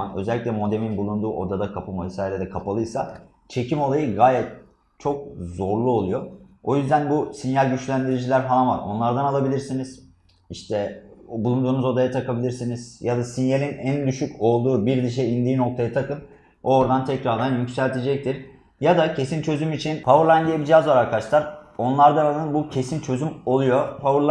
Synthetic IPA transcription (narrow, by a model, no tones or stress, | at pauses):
anø̞̰zɛlʲːicʲlʲɛmo̞d̪eminbulˠund̪uːʔo̞d̪ad̪akʰapʰɯmvɛsaːjeɾed̪ɛkʰapalˠɯjsa | t͡ʃʰe̞cʰimo̞lˠajɯɡaːjɛt̪̚ | t͡ʃʰo̞k̚zo̞ɾlˠuo̞lˠujo̞o̞jyzd̪ænbusinjælʲɟyt͡ʃlʲænd̪iɾid͡ʒilʲæɾɦalˠanva̰ɾo̞̰nlˠaɾd̪analˠabilʲiɾsiniz̥ | iʃt̪ʰɛbulˠund̪uːnuzo̞d̪ajat̪ʰakʰabilʲiɾsiniz̥jad̪asinjelʲinænd̪yʃyco̞lˠd̪uːbiɾd̪iʃ̬ɛind̪iːno̞k̚t̪ʰajat̪ʰakɯn | o̞ɾd̪ant̪ʰɛcɾaɾd̪anjycsælʲt̪ʰed͡ʒɛc̚t̪ʰiɾ | jad̪acʰe̞sint͡ʃʰø̞zymit͡ʃʰinpʰavɯɾlˠand̪ʲijebid͡ʒiazvaɾaɾkʰaʃlˠaɾo̞nlˠaɾd̪analˠɯnbucʰe̞sint͡ʃʰø̞zymo̞lˠujo̞pʰauɾlˠ